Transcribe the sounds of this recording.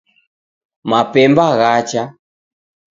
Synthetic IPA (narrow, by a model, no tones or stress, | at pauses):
mapɛmbaɣat͡ʃa